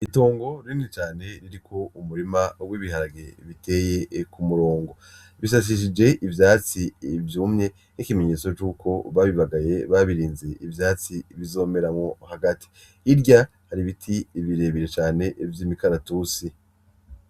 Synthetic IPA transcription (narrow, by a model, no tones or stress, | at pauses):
ito̞ːŋɡo̞ɾinet͡ʃaːne̞ɾiɾikʰo̞umuɾimawiːβiɦaɾaɡe̞βitʰe̞ːje̞kumuɾo̞ːŋɡo̞ | βis̬as̬iʃ̬id͡ʒe̞ʔivjaːt͡sivjuːmɲe̞ | nikime̞ɲe̞ːt͡so̞t͡ʃuːkʰo̞βaβiβaɡaje̞βaβiɾiːnze̞ivjaːt͡siβizo̞ːme̞ɾamŋo̞haɡatʰi̥ː | ɾɟa | haɾiβitʰiβiɾe̞ːβiɾet͡ʃaːne̞ʔvjiːmikaɾatuːsi